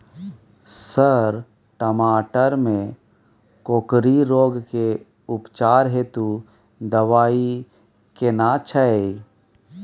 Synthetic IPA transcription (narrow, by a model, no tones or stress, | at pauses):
səɾ | ʈəmaːʈəɾmẽ | koːkɾiɾoːɡke | ʊpt͡ʃaːɾɦet̪u | d̪əʋaːi | kenat͡ʃʰəe